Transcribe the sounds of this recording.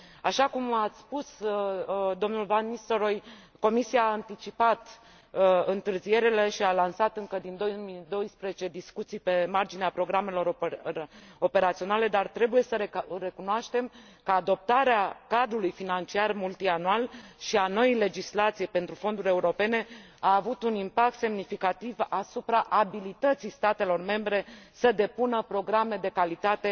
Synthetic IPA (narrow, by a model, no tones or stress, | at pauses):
aʃakumat̪sʲspus | d̪o̞mnulvanːist̪oɾo̞j | ko̞misijaːɨnt̪it͡ʃipat̪ | ɨnt̪ɨrzije̞ɾele̞ʃialansat̪ɨŋkəd̪ind̪omid̪o̞jspɾezet͡ʃe̞d̪iskut̪sijpe̞mard͡ʒineapɾo̞ɡɾame̞lo̞ɾ | o̞pe̞ɾat̪sio̞nale̞d̪art̪ɾe̞buje̞səɾɾe̞kunoaʃt̪e̞m | kaːd̪o̞p̚t̪aɾeakad̪ɾulujfinant͡ʃiarmult̪ianualʃiano̞ile̞d͡ʒislat̪sijepe̞nt̪ɾufo̞nd̪uɾʲe̞uɾo̞pe̞ne̞ | aːvut̪unimpak̚t̪se̞mnifikat̪ivasupɾaʔabilit̪ət̪sijst̪at̪e̞lo̞rme̞mbɾe̞səd̪e̞punəpɾo̞ɡɾame̞d̪e̞kalit̪at̪e̞